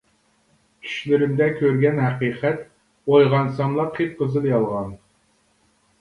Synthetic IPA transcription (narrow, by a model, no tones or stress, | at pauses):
kʲʰy̥ʃlɪɾɪmd̪ɛkʲʰøɾɡʲɛnɦæqiːqʰɛt̪ | ojʁɑnsɑmlˠɑqʰip̚qʰəzɨlˠjɑlˠʁɑn